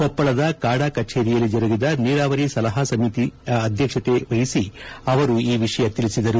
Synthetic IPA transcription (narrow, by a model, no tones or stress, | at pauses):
kɔpːɐɭɐd̪ɐkaːɽaːkɐt͡ʃeːɾijɐlːid͡ʒɐɾuɡid̪ɐniːɾaːʋɐɾisɐlɐɦɐsɐmit̪iɐd̪ʱjɐkʂɐt̪eʋɐjisiɐʋɐɾuiːʋiʂɐjɐt̪ilisid̪ɐɾu